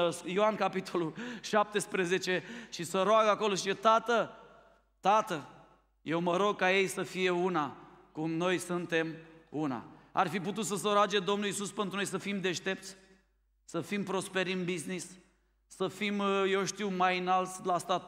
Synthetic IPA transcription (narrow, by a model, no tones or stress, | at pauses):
sjoankapit̪ʰo̞luʃap̚t̪e̞spɾeze̞t͡ʃe̞ʃisəɾoaɡako̞loʃiet̪at̪ə | t̪at̪ə | je̞wməɾo̞ɡ̚kaje̞jsəfije̞unakumno̞jsunt̪e̞muna̰a̰rfiput̪ut̪səs̬əɾoad͡ʒed̪o̞mnulisuspent̪ɾunojsəfimd̪e̞ʃt̪e̞p̚t̪sʲ | səfimpɾo̞spe̞ɾinbiznisː | əfimje̞wʃt̪iwmajɨnalt̪sʲlast̪at̪̚